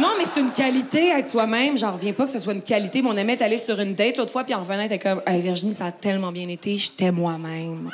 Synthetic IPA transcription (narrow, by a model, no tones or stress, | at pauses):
nɔ̃mɛse̥t̪ynkʲalit̪eaɛt̪swamɛ̃mʒɑ̃ʁəvjɛ̃pɔkə̥səswaynkʲalit̪emɛɔ̃nɛmɛd̪alesyʁynd̪ɛt̪loːt̪χfwapiɑ̃ʁvənɑ̃et̪ɛkɔmɛviʁʒinisaːt̪ɛlmɑ̃bjɛ̃net̪eʒe̥t̪ɛmwamɛ̃m